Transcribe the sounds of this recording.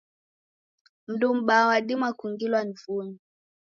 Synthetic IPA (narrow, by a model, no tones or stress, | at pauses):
m̩dum̩ɓawaɗimwakuŋɡilwanivuni